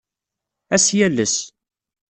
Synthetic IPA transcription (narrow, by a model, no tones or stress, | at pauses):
æsjælːəs